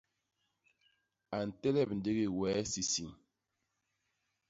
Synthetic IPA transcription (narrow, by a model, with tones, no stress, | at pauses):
a˨n̩˨tɛ˦lɛ˦˨p̚n̩˨de˦ɣi˦˨wɛː˨˦si˨si˨ŋ